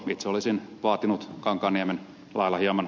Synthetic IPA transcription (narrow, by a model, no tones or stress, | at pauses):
it̪seolisinʋɑːt̪inut̪kɑŋkɑːnːiæmen | lʔɑilːˑɑhiɑmɑn